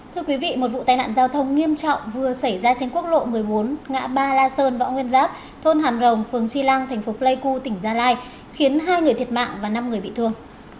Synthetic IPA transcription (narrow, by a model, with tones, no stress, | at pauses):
t̪ʰɨ˧əkwi˨˦vḭ˧˨mo˨˩t̚vṵ˧˨t̪aː˧˩jna̰ː˧˨nzaː˧wt̪ʰə˧wŋ͡mŋi˧əmt͡ɕɔ̰˧˨wŋ͡mvɨ˨˩əsə˧˩jzaː˧t͡ɕe˧nku˦˥k̚lo̰˧˨mɨ˨˩əjɓo˨˦nŋa̰ː˧˥ɓaː˧laː˧səː˧nva̰˧˥ŋwi˧ənzaː˦˥p̚ | t̪ʰo˧nɦaː˨˩mzə˨˩wŋ͡mfɨ˨˩əŋt͡ɕi˧la˧ŋt̪ʰa˨˩jŋ̟fo˨˦lə˧jku˧t̪ï˧˩ŋ̟zaː˧laː˧j | xi˨˦ənɦaː˧jŋɨ˨˩ət̪ʰət̚ma̰ː˧˨ŋvaː˨˩na˧mŋɨ˨˩əjɓḭ˧˨t̪ʰɨ˧əŋ